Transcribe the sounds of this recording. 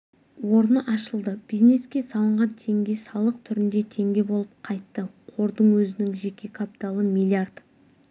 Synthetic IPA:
wo̞ɾnəʔɑʃəlˠd̪əb̥ijzne̞skʲe̞sɑlˠəɴʁɑnt̪ʰe̞ŋɡʲe̞sɑlˠəq̚t̪ʰʏɾɪnd̪e̞t̪ʰe̞ŋɡʲe̞bo̞lˠəp̚qʰɑjt̪ːəqʰo̞ɾd̪əɴwɵzɪnɪŋʒe̞kʲe̞kʰapi̥t̪alˠəmilʲiard̪

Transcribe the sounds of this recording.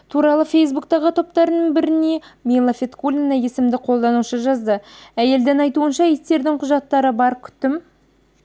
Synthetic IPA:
t̪ʰuɾɑlˠəfʲe̞js̬buk̚t̪ɑʁət̪ʰo̞pt̪ɑɾənəɴbɪɾɪne̞mʲelˠafʲet̪kulʲinɑje̞sɪmd̪ɪqʰo̞lˠd̪ɑnuʃəʒɑzd̪əæje̞ld̪ɪŋɑjt̪uənʃɑjest̪e̞ɾd̪ɪŋqʰʊʒɑt̪ːɑɾəbɑɾkʲʰʏ̥t̪ːɪm

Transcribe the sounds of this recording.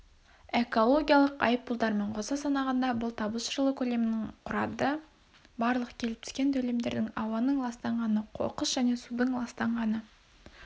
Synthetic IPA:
eko̞lˠo̞ɡʲijɑlˠəqɑ̰jəp̚ːʊlˠd̪ɑɾme̞ɴqʰozɑsɑnɑʁɑnd̪ɑbʊlˠt̪ʰɑbəʃəɾlˠəkʲʰɵle̞mɪnɪŋqʰʊɾɑd̪ə | bɑɾlˠəqkʲʰe̞lɪp̚t̪ʰɪ̥kʲe̞nt̪ʰɵle̞md̪e̞ɾd̪ɪŋɑwɑnəɴlˠɑst̪ɑɴʁɑnəqʰo̰qəsʒ̥æne̞sud̪əɴlˠɑst̪ɑɴʁɑnə

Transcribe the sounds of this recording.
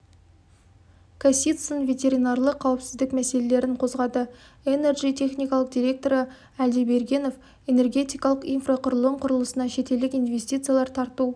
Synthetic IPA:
kʰasʲit̪sənvʲe̞t̪ʲe̞ɾʲinɑrlˠəqʰːɑwəpsɪzd̪ɪkmæse̞le̞le̞ɾɪɴqʰo̞zʁɑd̪ə | ene̞rʒijt̪ʰe̞χnijkɑlˠəq̚d̪ʲiɾʲe̞k̚t̪o̞ɾə | æld̪ijbe̞ɾɡʲe̞no̞f | e̞ne̞rɡʲe̞t̪ijkɑlˠəqijnfraqʰʊɾəlˠəɴqʰʊɾəlˠəsənɑʃe̞t̪e̞ld̪ɪkijnvʲe̞st̪ijt̪sɨjalˠɑɾt̪ʰɑɾt̪u

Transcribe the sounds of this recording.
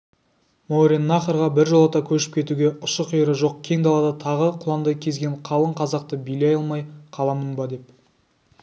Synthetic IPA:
moɾʲenːɑχəɾʁɑbɪɾʒolˠɑt̪ɑkʲʰɵʃɪ̥p̚kʲʰe̞t̪uɡʲe̞ʊʃəqijɾəʒo̞q̚kʲʰe̞ŋd̪ɑlˠɑd̪ɑt̪ʰɑʁəqʰʊlˠɑnd̪ɑkʲʰe̞zɡʲe̞ɴqʰɑlˠəɴqʰɑzɑq̚t̪əbilɑjɑlˠmɑjqʰɑlˠɑmənbɑd̪e̞p̚

